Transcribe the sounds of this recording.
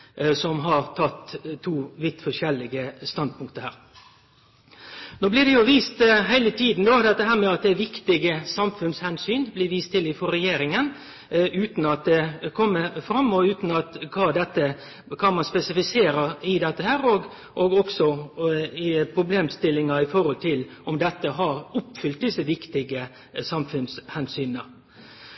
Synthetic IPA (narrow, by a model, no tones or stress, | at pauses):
sɔmɦɑɾt̪ʰɑt̪ːt̪ʰːuːʋɪt̪ːfɔʂɛlːɪɡəst̪ɑnd̪̚pʰʊŋkt̪əhæ̰ːɾ | noːblɪd̪ɛjʊʋiːst̪ɦæɪlət̪ʰiːd̪n̩d̪oːd̪ɛt̪ːəɦæːɾmɛɑt̪̚d̪ɛʋɪkt̪ɪɡəsɑmfʉnshɛnsyːnblɪʋiːst̪ʰːɪlɪfɔɾɛjeːɾɪŋən | ʉːt̪nɑt̪̚d̪ɛkʰɔmːəfɾɑmːɔʉːt̪n̩ɑt̪kʰɑːd̪ɛt̪ːə | kʰɑːmɑnspɛsɪfɪseːɾəɪd̪ɛt̪ːəhæːɾɔɡ | ʔɔɡɔksɔ | ɪpʰɾʊbleːmst̪ɪlːɪŋɑɪfɔɾhɔlt̪ʰɪlɔmd̪ɛt̪ːəɦɑɾʊpfʏlt̪̚d̪ɪsəʋɪkt̪ɪɡə | sɑmfʉnshɛnsyːnə